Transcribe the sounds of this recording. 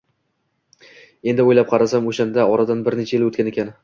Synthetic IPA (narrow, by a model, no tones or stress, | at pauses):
e̞nd̪ɪojlap̚qʰɑɾasamoʃand̪aɒɾad̪anbɪɾnet͡ʃʰaelot̪kʲane̞kʲan